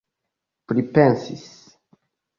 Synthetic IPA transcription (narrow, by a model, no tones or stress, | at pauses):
pɾipensis